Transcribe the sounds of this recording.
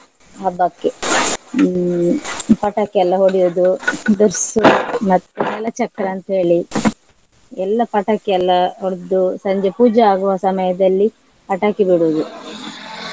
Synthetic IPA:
aːbɐkːe | pɐʈakɐlːɐɦoɽijud̪ud̪uɾsumɐt̪ːuɛlːɐt͡ʃɐkːɾɐːnt̪ɦe̞ːɭi | ɛlːɐpɐʈakɛɐlːɐɦoɽd̪usɐɲd͡ʒepuːd͡ʒɐaːɡuʋaːsɐmɐjɐd̪ɐlːi | pɐʈaːkibiɽuʋd̪u

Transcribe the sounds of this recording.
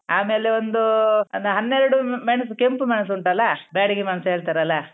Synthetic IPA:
aːme̞ːleond̪uɐnd̪ɦɐnːeɾɐɽumeɳɐs̬ukempumeɳɐs̬uɳʈɐlːɐbaːɽiɡimɐnɐsuɦeːɭt̪aːɾɐlːɐ

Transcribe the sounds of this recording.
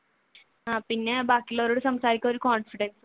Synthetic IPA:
ɦãpinːɛbakiləɾoɽsəmsaɾikəɾikɔnfiɖens

